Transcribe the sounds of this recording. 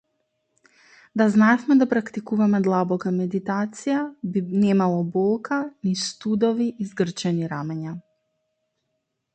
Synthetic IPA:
d̪aznaɛfmɛd̪apɾakt̪ikuvamɛd̪lˠabɔkamɛd̪it̪at̪sijabinɛmalˠɔbɔlˠkanist̪ud̪ɔviʔizɡr̩t͡ʃɛniɾamɛɲa

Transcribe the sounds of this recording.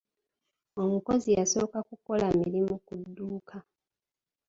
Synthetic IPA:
o̞muko̞zijaso̞ːkakuko̞lamiɾimukudːuːkʰa

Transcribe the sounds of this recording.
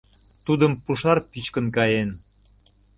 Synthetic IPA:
t̪ud̪əmpuʃɑrpit͡ɕkənkɑjen

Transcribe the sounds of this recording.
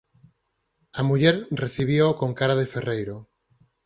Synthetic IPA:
amuʎeɾreθiβiokoŋkaɾaðeferejɾo

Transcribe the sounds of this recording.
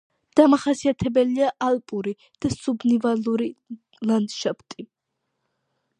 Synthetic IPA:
d̪̥amaχasiat̪ʰɛbɛliaʔalˠpʼuɾi | d̪̥asubnivaluɾi | land̪ʃapt̪ʼi

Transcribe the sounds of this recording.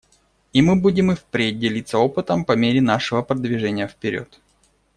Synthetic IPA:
imɨbudʲɪmɨfpɾʲet̚ʲdʲɪlʲit̪sːəo̞pɨt̪əmpɐmʲeɾʲɪn̪aʂɨvəpɾəd̪vʲɪʐɛnʲɪjəfpʲɪɾʲo̰t̪

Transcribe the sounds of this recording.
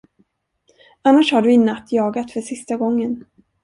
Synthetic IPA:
anːaʂhaɖɵɪnːat̪ʰːjɑːɡat̪fœʂɪst̪aɡɔŋːən

